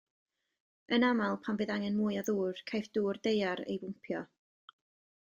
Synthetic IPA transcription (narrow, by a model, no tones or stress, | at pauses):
ənamalˠpʰambɨðaŋɛnmuːjɔðuːr̥kʰajfd̥uːrd̥ejaɾḛjbʊmpʰjɔ